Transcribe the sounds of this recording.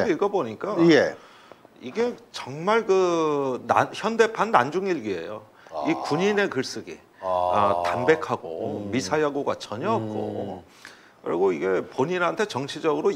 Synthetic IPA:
iɡʌboɲik͈aje | iɡe̞t͡ɕʌŋmaɭkɯnaçjʌnde̞pʰanːand͡ʑuŋiɭɡie̞̰jo | ikuɲine̞kɯɭs͈ɯɡḭ | atambe̞kʰaɡo̰misʰajaɡoɡa̰t͡ɕʌɲʌk͈o̰ | kɯɾḭɡoiɡe̞poɲiɾɦantʰet͡ɕʌŋt͡ɕʰid͡ʑʌɡɯɾo

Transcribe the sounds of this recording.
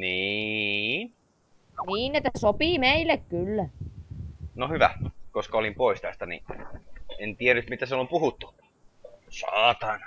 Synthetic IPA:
niːn | niːnet̪ːˑæsopiːˑmeilːˑekkylːæ | nohyʋæ̰koskɑolimpoist̪æst̪ænḭ | ent̪iæryt̪mit̪æselompuhut̪ːu̥ | sɑːt̪ɑn

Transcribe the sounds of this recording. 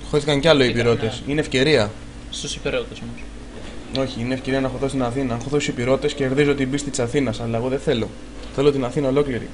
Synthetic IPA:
xoθikɐɲceɐloipiɾo̞t̪e̞sineːfce̞ɾiɐ | st̪osipiɾot̪osomos | o̞çiineːfce̞ɾiɐnɐxoθost̪inɐθinɐɐnxoθosipiɾo̞tt̪e̞sce̞ɾðizoot̪ibist̪it̪i̥sɐθinɐsɐlɐeɣo̞ðeθe̞lo̞ | θe̞lo̞t̪inɐθinɐo̞lo̞kliɾḭ

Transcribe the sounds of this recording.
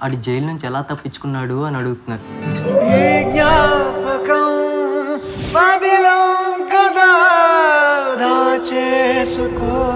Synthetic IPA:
ɐʈid͡ʒejilnunt͡ʃiɛlaːt̪ɐpːit͡ʃːu̥kunːaːɽuɐniɐɽuɡut̪unːaːɾuɦiɡnaːpɐkɐm | pɐd̪ilɐwkɐd̪a | d̪ʱaːt͡ʃeːsuko

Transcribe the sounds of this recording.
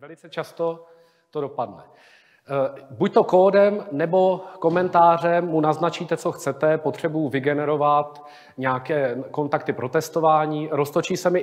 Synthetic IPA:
vɛlɪt͡sɛt͡ʃast̪o̞ | t̪odo̞padnɛ | buc̚t̪o̞koːdɛmnɛbo̞ko̞mɛnt̪aːr̝ɛmːunaznat͡ʃiːt̪ɛt͡so̞xt͡sɛt̪ɛpot̪r̝̥ɛbujuvɪɡɛnɛɾo̞vat̪ | ɲɛakɛːko̞nt̪ak̚t̪ɪpɾo̞t̪ɛst̪o̞vaːɲiːɾost̪o̞t͡ʃiːsɛmɪ

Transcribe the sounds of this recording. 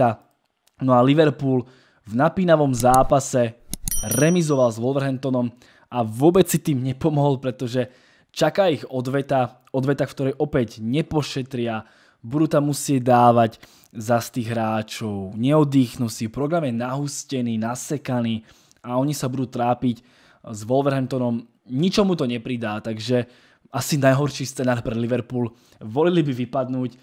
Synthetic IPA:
a | nɔaliʋɛɾpuːl | vnapiːnaʋɔmzaːpasɛɾɛmizɔʋalzʋɔlʋɛɾɦɛnt̪ɔnɔm | aʋʊɔbɛt͡sːit̪iːmɲɛpɔmɔɦɔlpɾɛt̪ɔʒɛ | t͡ʃakaːiɣɔd̪ʋɛt̪a | ɔd̪ʋɛt̪axkt̪ɔɾɛjʔɔpɛɟɲɛpɔʃɛt̪ɾɪa | buduːt̪amːusɪɛd̪aːʋaɟ | zast̪iːɣɦɾaːt͡ʃɔʊɲɛɔd̪iːxnusiːpɾɔɡɾamjɛnaɦuscɛniːnasɛkaniː | aɔɲisabud̪uːt̪ɾaːpic | zʋɔlʋɛɾɦɛnt̪ɔnɔm | ɲit͡ʃɔmut̪ɔɲɛpɾid̪aːt̪aɡʒɛ | asinajɦɔɾʃiːst͡sɛnaːɾpɾɛliʋɛɾpuːl | ʋɔlilibiʋipad̪nuːc

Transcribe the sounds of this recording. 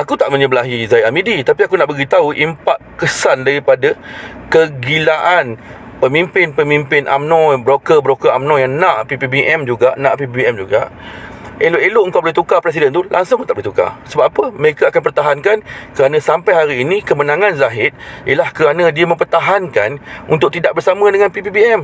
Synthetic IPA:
ʔakut̪aʔmə̃ɲəbəlaɦizaiamidit̪apiakunaʔbəɡit̪auʔimpaʔkəsandaɾipadakəɡilaʔan | pəmimpɪnpəmĩmpɪnʔa̰mnɔ̃bɾokəbɾokəamnɔ̃jaŋnãʔpipibiʔɛmd͡ʒuɡaʔnãʔpipiɛmd͡ʒuɡaʔ | eloʔelʊʔŋkawboliht̪ukapɾɛs̬idɛnt̪ulʔa̰ŋsʊŋət̪aʔbuliht̪uka̰səbap̚apəməɾekaakanpərt̪aɦankankəɾanãsampajɦaɾiːnĩkəmənãŋãnzaɦɪt̪̚ijəlahkəɾanə̃diəməmpərt̪aɦanka̰nṵnt̪ʊʔ̚t̪idaʔ̚bərsamə̃dəŋanpipipiɛm

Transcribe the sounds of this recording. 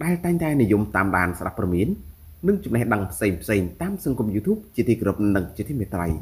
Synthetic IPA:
ɗaɛlt̪aɛŋt̪aɛnijumt̪aːmɗa̰ːnsɗa̰pːrɑmiənː | ɨŋt͡ɕumnehɗəŋpʰseːŋpʰseːŋt̪aːmsɑŋkumjuːt̪ʰuːp̚t͡ɕiət̪iːkɾup̚nɨŋt͡ɕit̪ʰiːmiət̪rə̰j

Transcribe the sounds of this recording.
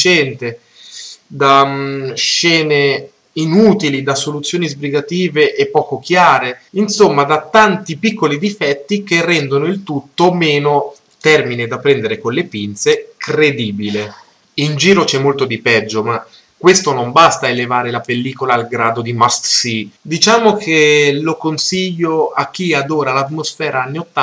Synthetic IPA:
it͡ʃɛnt̪e | d̪a | ʃːɛːne | inuːt̪ilid̪asolut̪sːjoːnizbɾiɡat̪iːveʔepːɔːkok̟jaːɾeinsomːad̪at̪ːant̪ipikːolid̪ifɛt̪ːik̟erːɛnd̪onoilt̪ut̪ːomeːno | t̪ɛrmined̪apːɾɛnd̪eɾekonlepint̪sekred̪iːbile | ind͡ʒiːɾot͡ʃɛmːolt̪od̪ipɛd͡ʒːoma | kːwest̪onombast̪aelevaːɾelapelːiːkolaːlɡɾaːd̪od̪imast̪sid̪it͡ʃaːmokʰelokonsiʎːoak̟ːiad̪oːɾalat̪mosfɛːɾʔaanːiot̪ːa

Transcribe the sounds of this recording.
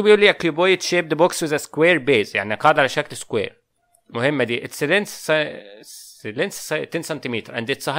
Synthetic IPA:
ubeʔulːiʔækubojet̪ʃeːb̚d̪əbokswɪðæskweːɾbeːzja̰ʕniɑqɑʕd̪ʕalæʃæklskwḛːɾ | mʊhemːæd̪iːʔet̪sed̪en | elensst̪ːeːnsɑnt̪imiːt̪ɾʔæ̰nd̪et̪sˤɑh

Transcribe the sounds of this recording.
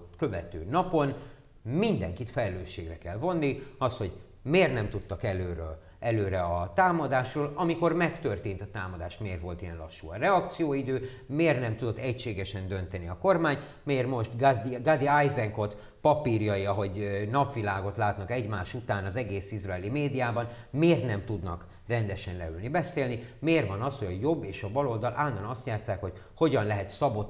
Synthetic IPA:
kø̞vɛt̪øːnɒpo̞n | mind̪ɛ̰ŋkit̪fɛlɛløːʃːeːɡrɛkɛlvo̞nːiɒst̪ho̞ɟ | meːrnɛmt̪ut̪ːɒkɛløːɾø | ɛløːɾɛɒt̪aːmɒd̪aːʃroːlɒmiko̞rmɛkt̪ø̞rt̪eːnt̪ɒt̪aːmɒd̪aːʃt̪meːrvo̞lt̪ijɛnlɒ̰ʃːuːɒ̰rɛɒkt̪sijoːid̪øː | meːrnɛmt̪ud̪o̞t̪ːɛcʃeːɡɛʃɛnd̪ø̞nt̪ɛniɒko̞rmaːɲ | meːrmo̞ʃt̪ɡad̪iajzɛŋko̞t̪ | pɒpirjɒiɒɦo̞ɟnɒpʋilaːɡo̞t̪laːt̪nɒkɛɟmaːʃut̪aːnɒzɛɡeːsizraɛlimeːd̪ijaːbɒn | meːrt̪nɛmt̪ud̪nɒ̰k | rɛnd̪ɛʃɛnlɛ̰ylnibɛseːlnimeːrvɒnɒshoɟɒjo̞bːeːʃɒbɒlo̞ld̪ɒlʔaːnːɒnɒst̪jaːt̪sːaːkho̞c | ho̞ɟɒnlɛɦɛt̪sɒbo̞t̪ː

